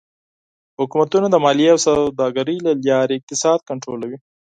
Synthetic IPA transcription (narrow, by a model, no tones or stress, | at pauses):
hʊkumat̪unad̪əmɑlijeawsawd̪ɑɡaɾəlaljɑɾeɪk̚t̪ɪsɑd̪̚kaɳʈɾolawi